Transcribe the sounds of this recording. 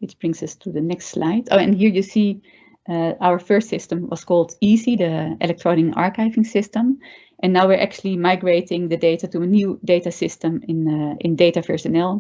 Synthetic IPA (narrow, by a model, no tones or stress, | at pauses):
ɪtb̥ɹɪ̃ŋsʌstʰudənɛkstslaɪdoɛ̰̃nɦiːɹjusiː | əawəɹfɜːɹstsɪstə̃mwɔ̰skɔlˠdizidəɪ̰lɛk̚tɹɔnɪkɑ̰ɹkaɪvɪ̃ŋsɪstə̃m | ʔɛ̃nːaʊʋiɹʔɛk̚t͡ʃulˠimaɪɡɹeɪtɪ̃ŋdədeɪtatuənjuːdeɪtasɪstə̃mɪnɪ̰̃ndeɪtavɛɹsənɛlˠ